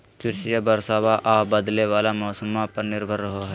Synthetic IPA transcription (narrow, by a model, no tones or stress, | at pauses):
kɪɾsɪjabɐɾsaːbaʔaːbɐd̪leʋaːlamɔːsəmãpɐɾnɪɾbʱəɾːɐɦoɦɛ